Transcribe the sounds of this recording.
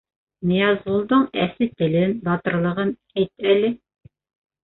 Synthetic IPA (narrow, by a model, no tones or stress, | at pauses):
nĭjɑzʁulˠd̪ɤɴæsɘt̪ɘ̆lɘnbɑt̪ɤ̆ɾlˠɤ̆ʁɤnhæjt̪̚ælɘ